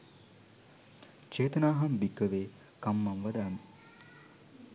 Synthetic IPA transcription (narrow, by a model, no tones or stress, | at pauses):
t͡ʃeːt̪ɐnaːɦɐmbikːəʋeː | kamːɐmʋɐd̪aːm